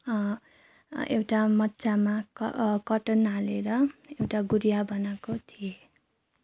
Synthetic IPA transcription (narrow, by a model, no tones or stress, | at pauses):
ḛwʈamʌtːt͡samakʌʈʌnɦaleɾʌewʈaɡuɾijabʌnakot̪ʰije